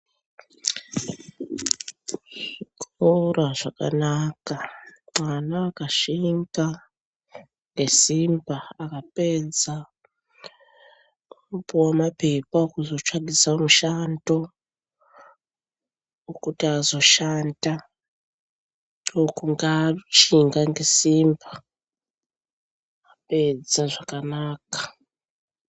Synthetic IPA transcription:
ʐikʰoraʐaka̰nakaŋ͡ǀanaːkaʃimba | ŋɡe̞simbaakaped͡za | upuwamape̞paokuzo̞t͡ʃaɡisamuʃando̞ | wokutiazo̞ʃanda | wokuŋɡat͡ʃiŋɡaŋɡe̞siːmba | pe̞d͡zaʐakanaːkḁ

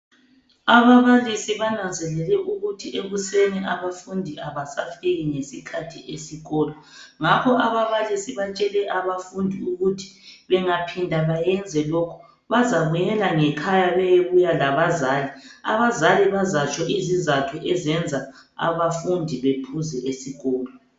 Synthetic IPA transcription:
aβaβalisiβanand͡zʱɛlɛlɛʔuɣutʰiʔeɣuseniʔaβafundʱiʔaβasafeɣiŋesikʰatʰiʔesiɣɔːlɔ | ŋapʰɔaβaβalisiβat͡ʃʼɛlɛʔaβafundʱiuɣutʰi̥βɛŋapʰindʱaβajɛnd͡zʱɛlokʰɔ̥ | βazaβujɛlaŋɛkʰajaβɛjeβujalaβazaːlia̰βazaliβazat͡ʃʰʼɔizizatʰɔʔɛzɛnd͡zʱaa̰βafundʱiβepʰuzɛʔesiɣɔːlɔ

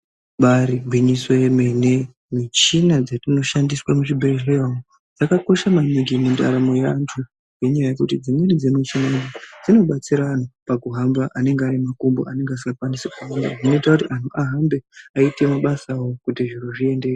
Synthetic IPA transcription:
ɓaɾibʱwiɲisojemene | mit͡ʃinad͡zatino̞ʃandiswamuʐibʱeʐejawo | d͡zakako̞ʃamaniɡimunda̰ɾamojantʰu | je̞ɲajaje̞kutid͡zimwenid͡zemit͡ʃinadad͡zino̞ɓat͡siɾaːnopakuɦambaʔane̞ŋɡeaɾimakumbo̰ane̞ŋɡeas̬ikakwandisekuanda̰ʐinoitakutiʔantuʔaɦambe̞aite̞maɓasawokutiʐiruʐie̞nde̞ː

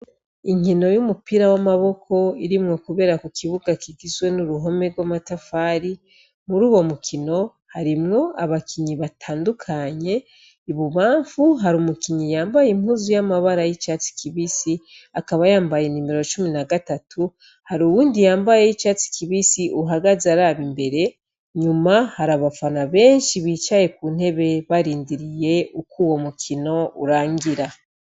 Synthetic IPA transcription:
iŋino̞jumupiɾawamaβo̞kʰo̞iɾimŋo̞kuβe̞ːɾakukʰiβuɡakiɡizwe̞nuɾuɦo̞me̞ɡɡwamatafaːɾi | muɾuːwo̞mukʰino̞ | haɾimŋo̞aβakʰiɲiβatʰaːndukʰaɲe̞ | iβuβaːɱfuɦaɾumukiɲijaːmbajimhuzujamaβaɾajit͡ʃaːt͡si̥kiβisi | akaβajaːmbajenimeɾot͡ʃuminaɡatatʰu | haɾuwuːndijaːmbajeit͡ʃat͡si̥kiβisiʔuɦaɡazaɾaːβimbe̞ɾe̞ | ɲumahaɾaβafanaβe̞ːnʃiβiːt͡ʃaje̞kuːn̥he̞βe̞βaɾiːndiɾije̞ukuwo̞mukʰino̞ṵɾaːŋɡiɾa

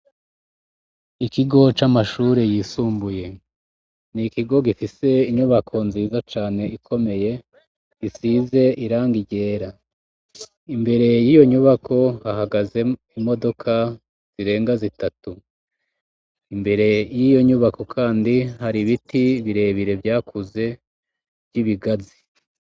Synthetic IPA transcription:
ikiɡo̞t͡ʃamaʃuɾejiːsuːmbuje̞ | nikiɡo̞ɡifise̞iɲuβakʰo̞nziːzat͡ʃaːne̞ikʰo̞me̞je̞ | isize̞ʔiɾaːŋɡiɟe̞ːɾa | imbe̞ɾe̞jijo̞ɲuβakʰo̞haɦaɡaze̞imo̞do̞kʰa | z̥iɾe̞ːŋɡazitatu | imbe̞ɾe̞jijo̞ɲuβako̞kʰaːndihaɾiβitiβiɾe̞ːβiɾe̞vjaːkʰuze̞ | vɟiβiɡazi

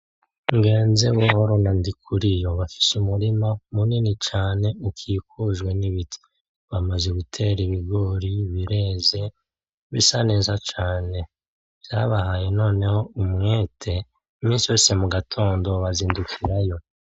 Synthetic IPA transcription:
ŋɡe̞ːnzewohoɾonandikʰuɾijo̞βafi̥sumuɾimamuninit͡ʃaːne̞ukʰikuʒwe̞niβitʰi̥ | βamazeɡutʰe̞ɾiβiɡo̞ɾiβiɾe̞ːze̞ | βisane̞ːzat͡ʃaːne̞ | vjaβahajeno̞ːne̞ho̞umŋeːtʰe̞ | mĩːnsijo̞ːse̞muɡatʰo̞ːndo̞βaziːndukʰiɾajo̞

